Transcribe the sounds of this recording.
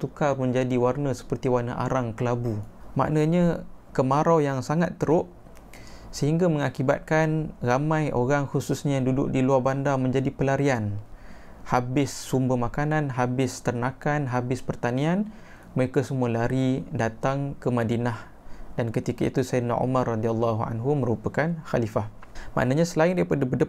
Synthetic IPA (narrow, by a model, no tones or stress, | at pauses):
t̪ukarmə̃ɲd͡ʒadiwarnəsə̥pərt̪iwarnəʔa̰ɾaŋkəlabuma̰ʔnaɲakəmaɾawjaŋsaŋat̪ːəɾʊʔ | səɦiŋɡaməŋakiba̰t̪̚kanramãjʔoɾaŋxususɲajaŋdudʊ̰ʔ̚diluarbandamə̃ɲd͡ʒadipəlaɾian | habɪsːumbəmakananɦabɪst̪ərnakanɦabɪspərt̪anĩan | məɾekasəmũalaɾidat̪aŋkəmadinah | dankət̪ikaḭt̪usana̰ʔṵmarːad̪ialːaɦua̰nɦumə̃ɾupakanxalifah | ma̰ʔnaɲasəlaɪndaɾipadabədə